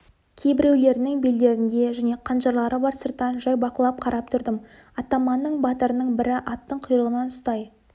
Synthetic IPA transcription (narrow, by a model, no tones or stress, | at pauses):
kʲʰe̞jbɪɾe̞wle̞ɾɪnɪŋbeld̪e̞ɾɪnd̪e̞ʒæne̞qʰɑnʒɑɾlˠɑɾəbɑɾsəɾt̪ɑnʒɑjbɑqəlˠɑp̚qʰɑɾʔɑp̚t̪ʰʊɾd̪əmɑt̪ɑmɑnːəɴbɑt̪əɾənəɴbɪɾɪʔɑt̪ːəɴqʰʊjɾəʁənɑnʊst̪ɑj